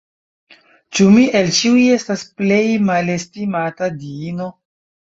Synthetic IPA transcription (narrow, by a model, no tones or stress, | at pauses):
t͡ʃumiʔe̞lt͡ʃiujie̞stasple̞jmale̞stimatadiino̞